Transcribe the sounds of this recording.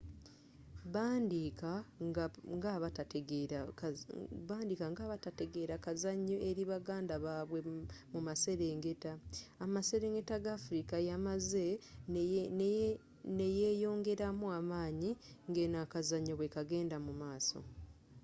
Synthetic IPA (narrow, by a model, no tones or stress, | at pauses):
βaːndikaaŋɡaβatateɡ | βaːndikaŋɡaːβatateɡe̞ːɾakazaɲːoʔe̞ɾiβaɡaːndaβaːβwe̞mumase̞ɾe̞ːŋɡe̞taamase̞ɾe̞ːŋɡe̞taɡaːfuɾikajamaze̞ | neje̞ːjo̞ːŋɡe̞ɾamuamaːɲiŋɡenakazaɲoβwe̞kaɡe̞ːndamumaːso̞̰